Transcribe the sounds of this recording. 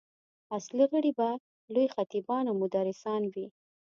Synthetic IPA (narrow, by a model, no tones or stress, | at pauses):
asliɣəɽiba | lojxat̪ibɑnamʊd̪aɾɪsɑnwi